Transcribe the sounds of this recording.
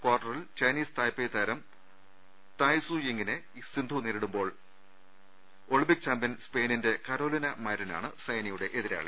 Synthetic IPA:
kwaːrʈːɐrilt͡ɕɐjniːst̪ɐːjpːejt̪ʰɐɾɐm | t̪aːjsujeŋɡine | sind̪ʱuneːɾiɽumbo̞ːɭ | oɭibik̚t͡ɕɐmbɐnspeːninde̞kɐɾo̞ːlinɐmɐːɾina̰ːɳɨsɐjnɐjuɽe̞ʔeðiɾa̰ːɭḛ

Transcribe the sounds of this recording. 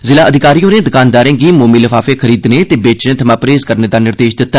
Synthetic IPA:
zɪlaːəd̪ʱɪkaːɾijõːɾẽːd̪ʊkaːnd̪aːɾẽːɡiːmoːmiːləfaːfeːkʰəɾiːd̪nẽːt̪eːbeːt͡ʃnẽːt̪ʰəmãːpɾeːzkəɾneːd̪aːnɪɾd̪eːʃd̪ɪt̪ːaː

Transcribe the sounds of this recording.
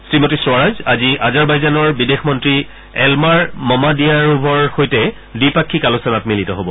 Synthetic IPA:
sɹimotisɹaɹazaziʔazaɹbajzanɔɹbidexmɔntɹi | ɛlmaɹmɔmadijaɹubʱɔɹxojtɛ | dipakʰːikalosɔnatmilitɔɦobɔ

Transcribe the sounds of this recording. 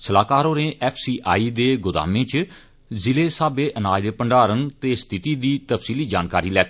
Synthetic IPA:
səlaːkaːɾõːnẽːʔɛːpʰsiːʔaːiːd̪eːɡʊd̪a̰ːmẽːt͡ʃ | zɪleːsaːbeːʔənaːjd̪eːpəɳɖaːɾənt̪eːst̪ʰɪt̪iːd̪iːt̪əfʰsiːliːd͡ʒaːnkaːɾiːlɛːk̪ʰː

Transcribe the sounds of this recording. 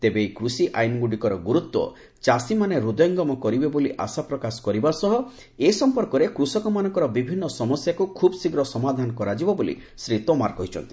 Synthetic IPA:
t̪ebekɾusiʔa̰jnɡuɽikɔɾɔɡuɾut̪wɔ̰ | t͡ʃasimaneɾud̪jɔŋɡɔmɔkɔɾibeboliʔa̰sapɾɔkasɔ̥kɔɾibaɾsɔɦɔ | esɔmpɔɾkɔɾekɾusɔkɔmanɔŋkɔɾɔbibʱinːɔsɔmɔsjakukʰubsiɡɾɔsɔmad̪ʱanɔkɔɾad͡ʒibɔbolḭ | sɾit̪omaɾkɔɦit͡ʃʰɔ̰nt̪i̥

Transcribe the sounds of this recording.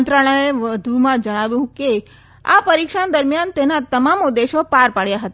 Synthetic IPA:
nt̪ɾəɭ̃əeʋəd̪ʱumãd͡ʒəɽ̃aʋjũke | a̰pəɾikʃaɳd̪əɾmijant̪enat̪əmamʊd̪ːeʃopaɾpaɽjaɦət̪a

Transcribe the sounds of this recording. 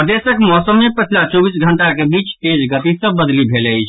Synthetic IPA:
əd̪esəkmɔsəmːepət͡ʃʰlat͡ʃɔbisɡʱəɳʈakebit͡ʃt̪ed͡ʒɡət̪isə̃bəd̪libʱeləɪt͡ʃʰ

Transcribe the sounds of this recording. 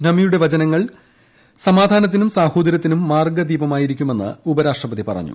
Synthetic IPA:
nɐmijuɽe̞ʋɐt͡ɕɐnɐŋːɐɭ | sɐmaːd̪ʱaːnɐt̪ːinumsaːho̞ːd̪ɐɾjɐt̪ːinumːaːrɡɐd̪iːbɐmaːjiɾikʲːume̞nːɨ̰ubɐɾaːʂʈrɐpɐt̪ipɐ̰rɐ̰ɲːṵ

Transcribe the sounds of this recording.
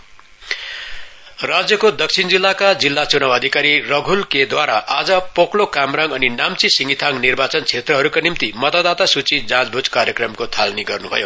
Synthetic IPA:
rad͡zjʌkod̪ʌk̚t͡sʰind͡zilːakad͡zilːat͡sunawʌd̪ʱikaɾirʌɡʱulked̪waɾa̰ʔad͡zʌpoklokamraŋɡʌninamt͡sisiŋɡit̪ʰaŋnirbat͡sʌnt͡sʰet̪rʌɦʌɾukanimt̪imʌt̪ad̪at̪asut͡sid͡zãd͡zbʱud͡zkaɾjʌkrʌmkot̪ʰalniɡʌrnubʱʌ̰jo

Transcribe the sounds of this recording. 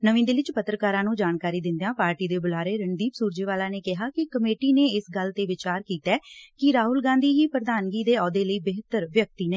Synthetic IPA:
nəʋĩːd̪eːʋɪt͡ʃpət̪ɾəkaːɾãːnũːd͡ʒaːnkaːɾiːd̪ɪ̃nd̪jãːpaːɾʈiːd̪eːbʊlaːɾeːɾəɳd̪iːpsuːɾd͡ʒeːʋaːlãːneːkɪɦaːkɪkəmeːʈiːneːɪsɡəlt̪eːʋɪt͡ʃaːɾkiːt̪ɛːkɪɾaːɦʊlɡãːnd̪iːɦiːpɾəd̪aːnɡiːd̪eːɔːd̪eːləiːbɪɦt̪əɾʋjək̚t̪iːneː

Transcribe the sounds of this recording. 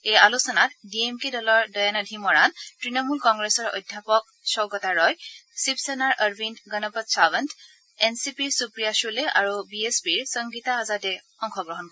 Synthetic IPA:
ejalusɔnatdiemkidɔlɔɹdɔjanɔdʱimɔɹantɹinɔmulkɔŋɡɹesɔɹɔ̰jdʱjapɔk̚ | sɔɡɔtaɹɔjsipsɛnaɹʔəɹbinɡɔnɔpɔtsabənt | ensipiɹsupɹijasulɛʔaɹubiespiɹsɔŋɡitaːzatɛxɔŋxʰɔɡɹɔɦɔnkɔɹ

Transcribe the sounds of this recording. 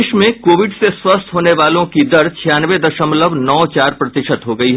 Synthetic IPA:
ʃmẽkoːʋɪɖseswɐst̪ʰɦoːneʋaːlõkid̪ɐɾt͡ʃʰijaːnʋed̪ɐʃəmləʋnɔːt͡ʃaːɾpɾɐt̪ɪʃət̪ɦoɡɐiɦɛ

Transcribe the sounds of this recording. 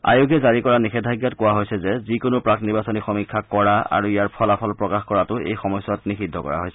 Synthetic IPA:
a̰joɡɛzaɹikɔɹanixɛdʱajɡjɔtkʊwaɦojsɛzɛzikʊnʊpɹakniɹbasɔnixɔmikʰːakɔɹaa̰ɹuijaɹpʰɔlapʰɔlpɹɔkaxkɔɹatʊḛjxɔmɔjsɔtnixidʱːɔ̰kɔ̰ɹa̰ɦojsɛ

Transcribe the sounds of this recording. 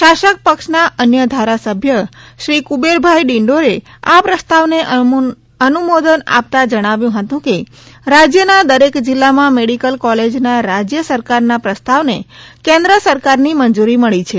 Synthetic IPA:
ʃaʃək̚pəkʃnaʔənjəd̪ʱaɾasəbʱjəʃɾikubeɾbʱajɖiɳɖoɾe | apɾəst̪aʋne | ənumod̪əna̰p̚t̪ad͡ʒəɽ̃aʋjũɦət̪ũke | ɾad͡ʒjənad̪əɾekd͡ʒɪlːamãmeɽikəlkɔled͡ʒnaɾad͡ʒjəsəɾkaɾnapɾəst̪aʋnekẽnd̪ɾəsəɾkaɾnimənd͡ʒuɾiməɭit͡ʃʰe

